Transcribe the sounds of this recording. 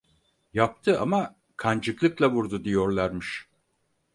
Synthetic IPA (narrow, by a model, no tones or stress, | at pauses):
jap̚t̪ʰɯa̰ma | kʰand͡ʒɯklˠɯklˠavuɾd̪ud̪ijo̞ɾlˠaɾmɯʃ